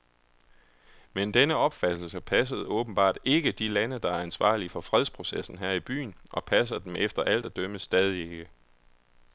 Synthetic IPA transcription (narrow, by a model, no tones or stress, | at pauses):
mend̥enəɒ̽b̥fæd̥l̩səpʰæs̬əð̞̩ˠɔ̽ːb̥n̩b̥ɑ̰̈ːd̥e̝ɡ̥əd̥ilænəd̥ɑ̈æɐænsʋɑ̰̈ːlifɒ̽fʁɛð̞ˠspʰʁo̝sesn̩ɦæɐ̰ib̥y̰ːnʔɒ̽pʰæs̬ɐd̥emʔefd̥ɐʔæl̰d̥æd̥øməsd̥ɛːð̞ˠie̝ɡ̥ə